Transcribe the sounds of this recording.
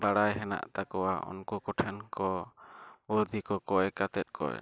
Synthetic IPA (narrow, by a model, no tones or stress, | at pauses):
baɽajɦɛna̰ʔt̪akɔwaʔɔ̰nkɔkɔʈʰɛnkɔ | ɔɾd̪ʱikɔkɔɛkat̪ɛt̪̚kʰɔ̰ɛ̰